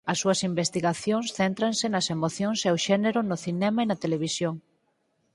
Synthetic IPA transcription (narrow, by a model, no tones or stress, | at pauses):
ɐsːuɐsimbest̪iɣaθjoŋsθent̪ɾɐnsɪnɐsemoθjoŋsewʃɛneɾʊnʊθinɛmɐenɐt̪eleβ̞isjoŋ